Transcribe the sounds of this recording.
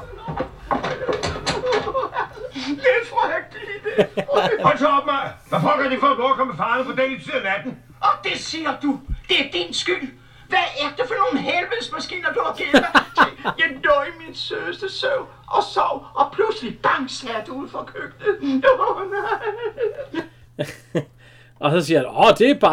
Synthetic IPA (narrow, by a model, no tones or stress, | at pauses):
ledfʁɒheɡ̥̚d̥id̥eɔnt͡sʰɑb̥mɑʋæfɒl̰ɡ̥hɑɾeɡ̥fɔːb̥ɔːkʰɒ̽mːefɑ̈ːnəpʰɒ̽d̥ɛ̰ːid̥seɐlæd̥n̩ | ʔɒd̥e̝siːɐd̥ud̥e̝æɐd̥insɡ̥yl̰ | ʋææɐd̥efɒno̝ːn̩ɦelʋensmæsɡ̥ḭːnɐd̥uhɑɡ̥ennɐt͡sʰijɑɪnɔiminsøsd̥əsøʊ | ʔɒ̽sɑʊ̰ʔɒ̽pʰlusəlib̥ɑ̈ŋslæɐd̥uuð̰ˠfɒkʰøɡ̥̚d̥ə | ʔɒsɒsiɐɒd̥e̝æb̥ɑ